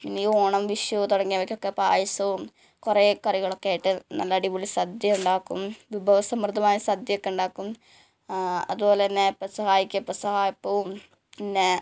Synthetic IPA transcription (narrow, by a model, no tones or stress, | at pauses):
inːioːɳɐmʋiʂjɐʋɨt̪oɽɐŋːijɐʋɐkʲːokːepːaːjɐsɐʋum | kureːkɐriɣɐɭokːeaːjiʈːɨnɐ̰lːɐːɽiʋuɭisɐd̪jɐuɳɖaːkːṵmʋibʱɐʋɐsɐmrɨd̪ʱɐmaːjɐsɐd̪jɐjokːeuɳɖaːkːum | ɐ̰ðubo̞ːleinːepːɐsɐhaːjikʲːɐpːɐsɐhaːjɐpːoːm | inːe